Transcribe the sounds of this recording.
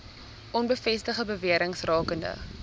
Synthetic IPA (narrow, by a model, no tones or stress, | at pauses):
ʔɔnbəfɛstəχəbəviəɾəŋsrɑːkəndə̰